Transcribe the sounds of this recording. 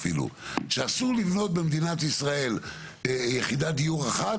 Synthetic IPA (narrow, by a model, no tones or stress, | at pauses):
filṵʃeasuʁlivnot̪̚bemd̪inat̪isʁae̞l | jeχid̪ad̪ijuʁaχat